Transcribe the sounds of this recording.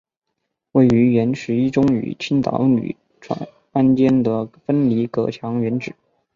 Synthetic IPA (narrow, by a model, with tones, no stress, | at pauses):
we˥˩ɪy˧˥ɥɛ˧˥nʂɻ̩˧˥i˥ʈ͡ʂʊ˥ŋy̰˨˩t͡ɕʰi˥nt̪ɑ̰˧˥ʊny̰˨˩˦ | ʈ͡ʂʰwa̰˥˩n | a˥nt͡ɕjɛ˥nd̪ə˨fə˥nli˧˥kɤ̰˨˩t͡ɕʰjɑ˧˥ŋɥɛ˧˥nʈ͡ʂɻ̩˨˩˦